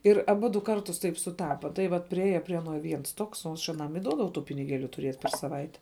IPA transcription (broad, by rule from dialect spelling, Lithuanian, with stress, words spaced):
ɪr ɐˈbʊdʊ ˈkɐrtʊs ˈtɐɪp sʊˈtɑːpɐ tɐɪ ˈʋɐt pʲrʲɪˈeːjɛ pʲrʲiɛ ɐˈnoː ˈʋʲiɛns ˈtoːks oː ˈɐʃ ɐˈnɐm ɪ ˈduɔdɐʋɐʊ ˈtuː pʲɪnʲɪˈɡʲeːlʲʊ tʊˈrʲeːt pʲɛr sɐˈʋɐɪtʲɛ